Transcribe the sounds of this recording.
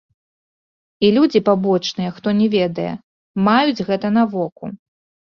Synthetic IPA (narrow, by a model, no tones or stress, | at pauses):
ilʲud͡zʲipabɔt͡ʂnɨjɛxt̪ɔnʲɛvʲɛd̪ɐjɛ̰ | majud͡zʲɣɛt̪ɐn̪ɐvɔkṵ